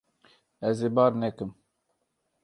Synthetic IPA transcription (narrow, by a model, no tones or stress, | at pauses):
ɛzeːbɑːɾnɛkɨm